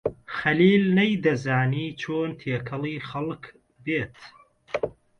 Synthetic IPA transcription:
xɐliːlnɐjd̪ɐzaːniːt͡ʃʰoːnt̪ʰeːkʰɐlˠiːxɐlk | beːt̪

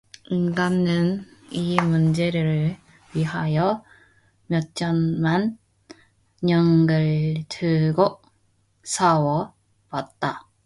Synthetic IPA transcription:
inɡanːɯnimund͡ʑeɾɯɭ | ɥiɦajʌ | mjʌt̚t͡ɕ͈ʌnman | ɲʌŋɡɯɭtɯɡo | sʰawʌ | pat̚t͈a

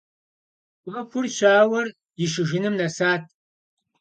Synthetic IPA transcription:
ɐkʷʊrɕʷaːwɐr | jɪʃɨʒɪnɨmnɐsaːt̚ʰ

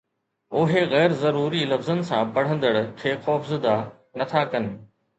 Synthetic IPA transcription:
oɦeɣɛːɾzɐɾuːɾilɐfzənɪ̆sãpɐɽ̤ə̃nd̪əɽkʰeːxɔːfzɪd̪a | nɐt̪ʰakɐnɪ̆

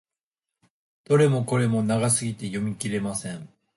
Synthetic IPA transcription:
d̪̥o̞ɾe̞mo̞ko̞ɾe̞mo̞naɡasɨɡʲit̪e̞jo̞mʲikʲiɾe̞masẽ̞ɴ

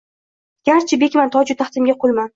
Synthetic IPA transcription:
ɡ̥ʲaɾt͡ʃʰɪbekʲmant̪ʰɒd͡ʒʊt̪ʰaχt̪ɪmɡʲaqʰolˠman

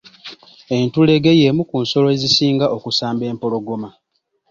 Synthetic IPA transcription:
e̞ntule̞ɡe̞jemukunso̞loezisiːŋɡaʔokusaːmbe̞ːmpo̞lo̞ɡo̞ma

